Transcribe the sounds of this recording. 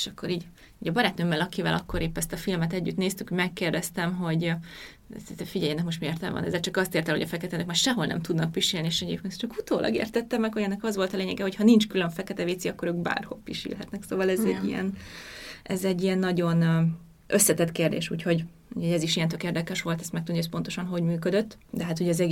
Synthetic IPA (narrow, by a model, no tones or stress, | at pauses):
eʃɒkːoɾiːɟ | iːɟɒbɒɾaːt̪nøːmːɛlɒkivɛ̰lʔɒ̰kːo̞ɾeːpːɛst̪ɒfilmɛt̪ɛɟːy̰t̪neːst̪ykuɟmɛkːeːrd̪ɛst̪ɛmɦo̞ɟ | sit̪ɛfiɟɛjɛnɛkmo̞ʃt̪mijeːrt̪ɛ̰mvɒ̰nɛ̰zːɛlt͡ʃɒkɒst̪eːrt̪ɛlhoɟɒfɛkɛt̪ɛnɛkmaːrʃɛɦo̞lnɛ̰mt̪ud̪nɒk̚piʃiːlnieʃɛɟḛːp̚keːnt͡ʃɒkut̪oːlʔɒ̰ɡḛːrt̪ɛt̪ːɛmːɛkhoɾɛnːɛkɒzʋo̞lt̪ɒleːɲɛɡɛho̞chɒnint͡ʃkyløɱfɛkɛt̪ɛviːt̪siɒkːo̞ɾøːɡba̰ːrho̞̰pːiʃḭlɦɛt̪nɛksoːvɒlɛzɛɟːijɛ̰n | ɛzɛɟːijɛnːɒɟo̞n | ʔøsːɛt̪ɛt̪keːrd̪ḛːʃṵːcho̞ɟ | uːchoɟɛziʃijɛnt̪økeːrd̪ɛkɛʃʋo̞lt̪ɛst̪mɛk̚t̪ud̪iɛs̬po̞nt̪o̞ʃɒnɦo̞ɟmyːkød̪øt̪ː | d̪ɛɦaːt̪hoɟɒzɛɡ